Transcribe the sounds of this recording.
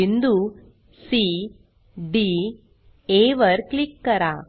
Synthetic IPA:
ind̪u | si | ɖi | eːʋɐɾklɪkːɐɾãː

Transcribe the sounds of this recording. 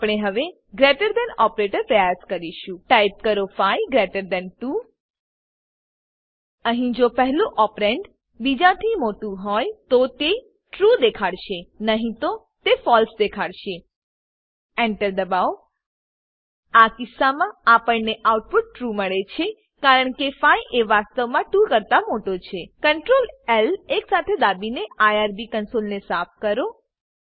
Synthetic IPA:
apɽ̃eɦəʋe | ɡɾeʈəɾd̪ɛnɔpɾeʈəɾpɾəjaskəɾiʃũʈajp̚kəɾofajɡɾeʈəɾd̪ɛnʈu | əɦĩd͡ʒopəɦlũʔɔpɾeɳɖ | bid͡ʒat̪ʰimoʈũɦɔjt̪ot̪e | ʈɾud̪ekʰaɽʃenəɦĩt̪o | t̪efɔlsd̪ekʰaɽʃe | eɳʈəɾd̪əbaw | akɪsːamãapəɳneʔauʈ̚puʈ̚ːɾuməɭet͡ʃʰe | kaɾəɳkefajʔeʋast̪əʋmãʈukəɾt̪amoʈot͡ʃʰekəɳʈɾoleleksat̪ʰed̪abineajaɾbikənsolnesapʰkəɾo

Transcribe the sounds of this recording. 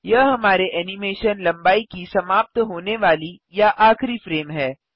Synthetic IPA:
jɐɦɦɐmaːɾeʔɛːnɪmeːʃənlɐ̃mbaːikisɐmaːp̚t̪ɦoːneʋaːli | jaʔaːxɾifɾeːmɦɛː

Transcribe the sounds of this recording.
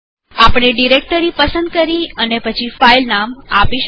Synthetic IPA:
apɽ̃eɖiɾek̚ʈəɾipəsənd̪̚kəɾiənepət͡ʃʰifailnama̰piʃ

